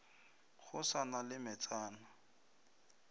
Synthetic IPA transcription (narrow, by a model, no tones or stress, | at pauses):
χʊsanalɪmɛt͡sʼaːna